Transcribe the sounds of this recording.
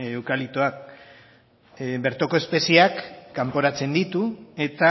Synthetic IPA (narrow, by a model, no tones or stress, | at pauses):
ewkalit̪oak̚ | be̞ɾt̪o̞ko̞e̞spe̞siakːampo̞ɾat͡se̞nd̪it̪ue̞t̪a